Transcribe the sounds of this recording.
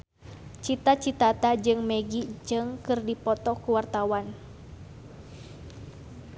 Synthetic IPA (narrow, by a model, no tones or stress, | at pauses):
t͡ʃit̪at͡ʃit̪at̪ad͡ʒɨŋmɛɡid͡ʒɨŋkɨrdipɔt̪ɔkuwart̪awan